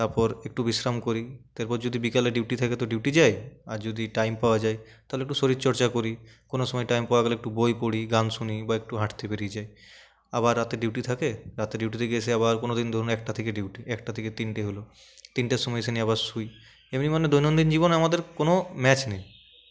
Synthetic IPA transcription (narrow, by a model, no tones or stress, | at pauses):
t̪aɾpɔɾek̚ʈubisɾamkoɾit̪eɾpɔɾd͡ʑod̪ʱibikaleɖiwʈit̪ʰaket̪oɖiwʈid͡ʑajaɾd͡ʑod̪iʈajmpaoad͡ʑajt̪aɦoleekʈusoɾit̪t͡ɕɔɾt͡ɕakoɾikonoʃɔmɔjʈajmpaoaɡɛloek̚ʈubojpoɽiɡanʃunibaek̚ʈuɦaʈʰt̪ebeɾid͡ʑaj | abaɾːat̪eɖiwʈit̪ʰakeɾat̪eɖiwʈ̬it̪eɡet͡ɕʰeaβaɾkonod̪ind̪ʱɔɾoneɛk̚ʈat̪ʰekeɖiwʈiɛkʈat̪ʰeket̪inʈeɦolo | t̪inʈaʃɔmɔjseniaβaɾsuj | emnimaned̪ʱojnond̪ind͡ʑiβoneamad̪eɾkonomɛt͡ɕnej